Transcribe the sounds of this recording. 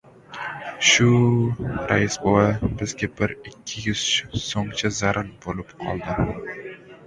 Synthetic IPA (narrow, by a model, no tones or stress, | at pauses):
ʃʊ | ɾajɪsbowabɪzɡʲabɪɾɪkʲʰːɪjʊz̥t͡ʃsoŋt͡ʃʰazaɾʔaɾbolɪpqʰɒ̰lˠd̪ɪ